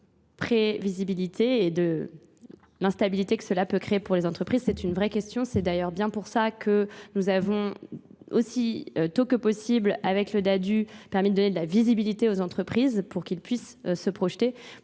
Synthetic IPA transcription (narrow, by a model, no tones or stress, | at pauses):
pχevizibilit̪ʰeːd̪ə | lɛ̃st̪abilit̪ekə̥səlapøkχeepuʁlezɑ̃t̪χəpχizsɛt̪ynvʁɛkʲɛst̪jɔ̃sɛd̪ajœʁbjɛ̃puʁsakʰənuzavɔ̃ | osiøt̪okəpɔsiblavɛkləd̪ad̪ypɛʁmid̪əd̪ɔned̪əlavizibilit̪eozɑ̃t̪χəpχizpuʁkʲilpɥis | səpχɔʃt̪e